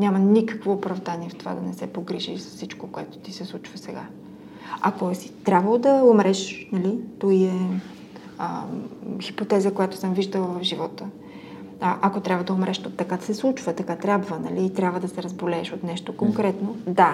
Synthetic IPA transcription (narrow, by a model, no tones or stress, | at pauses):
nʲamənikɐəkvoːpɾɐvd̪aniɛft̪ova̰d̪ɐnɛsɛpoɡɾiʒḭsɐ̥sfsit͡ʃkokoɛt̪o̥t̪isɛslˠut͡ʃvəsɛɡa̰ | ɐ̰koɛsi̥t̪ɾʲabvɐlˠod̪ɐomɾɛʃnɐlit̪oiɛ | ə | xipot̪ɛzəkojat̪ʊ̥səmviʒd̪əlˠəvɐfʒivɔt̪ə | ʔɐkot̪ɾʲabvəd̪ɐomɾɛʃt̪ɐkad̪ɐsɛslˠut͡ʃvət̪ɐkat̪ɾʲabvənɐ̰liːt̪ɾʲabvəd̪ɐsɛɾɐzbolɛːʃot̪nɛʃt̪okoŋkɾɛt̪nod̪a